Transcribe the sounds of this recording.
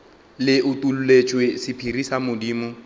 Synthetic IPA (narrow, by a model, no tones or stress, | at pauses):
lɪʔʊtʼululet͡ʃʼwesɪpʰirisamʊdiːmʊ